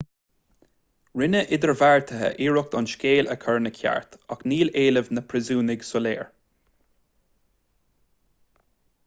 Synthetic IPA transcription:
ɹɪnəʔɪd̪əɹvaɹt̪ʰəɦə̰ʔiːɹʊk̚t̪ɑnʃkʲeːləkʰəɹnəkʰa̰ɹt̪akniːleːləvnəpʰɹɪzuːnɪɡsɔleːɹ

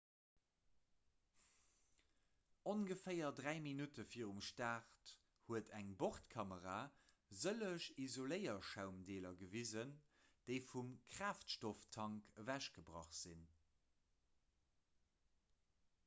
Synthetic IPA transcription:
onɡəfɜɪɐdʁæɪminutəfiːəʁumʃtaːʁt | huətʰæŋboχtkʰɑməʁaː | zələʃizoləɪɐʃaʊmdeːlɐɡəvizənd̥eɪfumkʁ̥aːftʃtoftʰɑŋkəvæʃɡ̥əbʁɑ̰χz̥in

